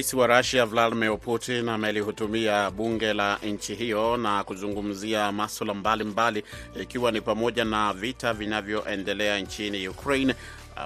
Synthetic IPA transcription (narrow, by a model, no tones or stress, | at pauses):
isiwaɾaʃiavladimiɾputinamɛlihutumiaɓuŋɡɛlaʔɲ̩t͡ʃiɦijɔnakuzuŋɡum̩ziamaswalambalimbaliikiwanipamɔʄanavitavinavjɔʔɛndɛlɛant͡ʃinijukɾein̰